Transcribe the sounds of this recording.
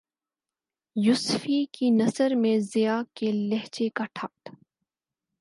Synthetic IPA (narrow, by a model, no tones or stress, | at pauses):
jʊsfikinɐsəɾmẽzɪjaːkelɛɦt͡ʃekaʈʰaːt̪